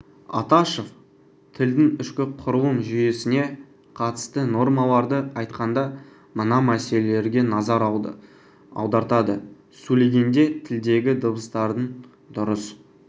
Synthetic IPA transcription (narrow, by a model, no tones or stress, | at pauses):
ɑ̰t̪ɑʃof | t̪ʰɪld̪ɪŋʏʃkʲɪqʰʊɾəlˠənʒʏje̞sɪne̞ | qʰɑt̪ə̥st̪əno̞rmɑlˠɑɾd̪əɑjt̪̚qɑnd̪ɑ | mənɑmæse̞leleɾɡʲe̞nɑzɑɾɑ | ɑ̰wd̪ɑɾt̪ɑd̪ə | sɵleɡʲe̞nd̪e̞t̪ʰɪld̪e̞ɡʲɪd̪əbəst̪ɑɾd̪ən | d̪ʊɾəs